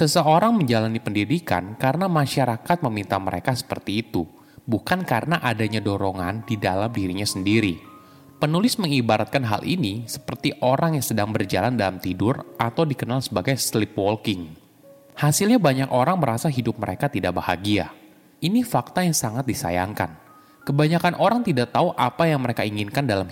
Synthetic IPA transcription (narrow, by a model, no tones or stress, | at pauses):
səsəoɾaŋməɲd͡ʒalanipəndidika̰nkarənamaʃaɾakat̪̚məmint̪aməɾḛkasə̥pərt̪iːt̪u | bukankarənaʔadaɲadoɾoŋa̰ndidalamdiɾiɲasəndiɾi | pənulɪsməŋibaɾat̪̚kanɦa̰lʔinisə̥pərt̪iʔoɾaŋjaŋsədaŋbərd͡ʒa̰landalamt̪idʊrʔat̪awdikənalsəbaɡajslɪpwɔlkɪŋ | hasilɲabaɲakoɾaŋməɾasaɦidʊp̚məɾekat̪idaʔbaha̰ɡia̰ | inifak̚t̪ajaŋsaŋat̪̚disa̰ja̰ŋka̰n | kəbaɲakanʔoɾaŋt̪idaʔt̪auʔapajaŋməɾekaiŋinkandalam